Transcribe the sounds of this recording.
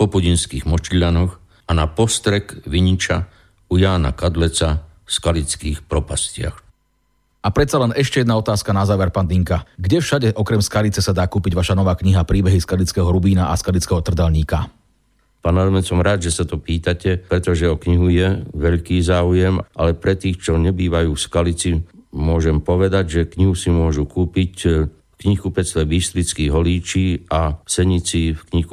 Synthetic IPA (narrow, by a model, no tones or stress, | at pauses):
pɔpuɟinskiːɣmɔt͡ʃʎanɔx | anapɔst̪ɾɛkʋiɲit͡ʃa | ujaːna̰kad̪lɛt͡sa | fskalit͡skiːxpɾɔpascɪa̰x | ʔapɾɛt̪t͡salɛnɛʃcɛjɛd̪naɔt̪aːskanazaːʋɛɾpaːnd̪iŋkaɡɟɛfʃaɟɛʔɔkɾɛmskalit͡sɛsad̪aːkuːpiɟʋaʃanɔʋaːkɲiɦapɾiːbɛɦiskalit͡skɛɦɔɾubiːnaʔaskalit͡skɛɦɔt̪r̩d̪alɲiːka | paːnaɾɔmɛsɔmɾaːd̪ʒɛsat̪ɔpiːt̪acɛpɾɛt̪ɔʒɛɔkɲiɦujɛʋɛʎkiːzaːujɛmʔalɛpɾɛt̪iːxt͡ʃɔɲɛbiːʋajuːfskalit͡simʊɔʒɛmpɔʋɛd̪aɟʒɛkɲiɦusimʊɔʒukuːpic | kɲixkupɛst̪ɛbiʃt̪ɾit͡skiːɦɔliːt͡ʃiːasɛɲit͡sifkɲixku